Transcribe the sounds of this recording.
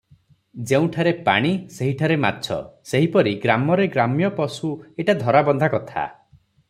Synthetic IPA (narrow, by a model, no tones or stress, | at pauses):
d͡ʒeũʈʰaɾepa̰ɽ̃iseɦiʈʰaɾema̰tːt͡ʃʰɔ̰seɦipɔɾiɡɾamɔɾeɡɾamjɔpɔsueʈad̪ʱɔɾabɔnd̪ʱakɔt̪ʰa̰